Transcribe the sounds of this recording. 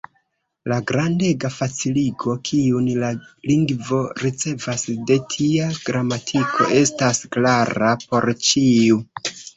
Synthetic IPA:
laɡɾande̞ɡafat͡siliɡo̞kʰiunlaliŋɡvo̞ɾit͡se̞vasde̞tʰiaɡɾamatʰikʰo̞̰e̞stasklaɾapo̞ɾt͡ʃiu

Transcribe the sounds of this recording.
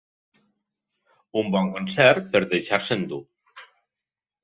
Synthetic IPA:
umbɔŋkonsɛɾpeɾðejʃaɾsend̪u

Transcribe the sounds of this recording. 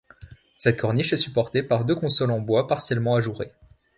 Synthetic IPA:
sɛt̪kʰɔʁniʃɛsypɔʁt̪epaʁd̪økɔ̃sɔlɑ̃bwapaʁsjɛlmɑ̃aʒuʁe

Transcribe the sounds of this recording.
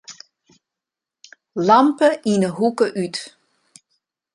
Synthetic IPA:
lampəinəɦukəʔyt

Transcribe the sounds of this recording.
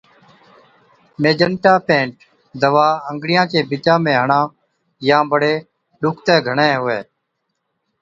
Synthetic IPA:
meːd͡ʒəɳʈaːpẽːɳʈ | d̪əʋaːəŋɡɽɪjãːkẽːbɪt͡ʃãːmẽːɦəɳãː | jãːbəɽeː | ɗʊkʰt̪ẽːɡʱəɳẽːɦʊʋeː

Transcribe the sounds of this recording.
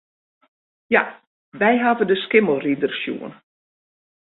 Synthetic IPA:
ja | ʋɛjɦavədəskɪməlˠridərsjṵən

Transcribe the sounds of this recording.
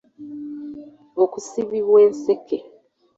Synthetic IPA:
okusiβiβwe̞ːnsekʰe

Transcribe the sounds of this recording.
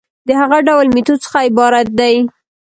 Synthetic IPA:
d̪əhaɣaɖawlmit̪ot͡sə̥xaɪbɑɾat̪̚d̪aj

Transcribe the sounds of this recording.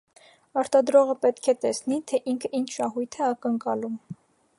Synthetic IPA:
ɑɾt̪ɑd̪ɾɔʁəpɛt̪kʰɛt̪ɛsnit̪ʰɛʔiŋkʰəint͡ʃʰʃɑɦujt̪ʰɛɑkəŋkɑlum

